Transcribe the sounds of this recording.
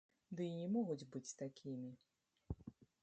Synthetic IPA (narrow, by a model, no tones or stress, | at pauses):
d̪ɨinʲɛmɔɣud͡zʲbɨt͡sʲt̪akʲimʲi